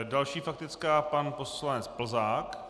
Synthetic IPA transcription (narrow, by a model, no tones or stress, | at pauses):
dalʃiːfak̚t̪ɪt͡skaːpanposlanɛt͡spl̩zaːk